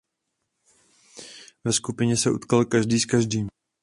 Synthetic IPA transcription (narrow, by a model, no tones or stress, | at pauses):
vɛskupɪɲɛsɛʔṵt̪kalkaʒdiːskaʒdiːm